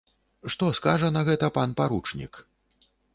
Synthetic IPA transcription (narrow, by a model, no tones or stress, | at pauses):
ʂt̪ɔskaʐɐnɐɣɛt̪ɐpanpaɾut͡ʂnʲḭk